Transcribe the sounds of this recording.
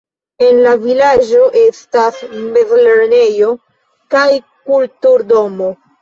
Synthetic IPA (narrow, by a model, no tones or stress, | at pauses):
e̞nlavilad͡ʒo̞ʔe̞stasmezleɾne̞jo̞ | kaj | kultuɾdo̞mo̞